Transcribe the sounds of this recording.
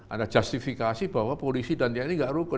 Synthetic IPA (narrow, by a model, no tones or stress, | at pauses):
ʔa̰ndad͡ʒast̪ifikasib̥awapolisidant̪ianiŋɡaʔɾukə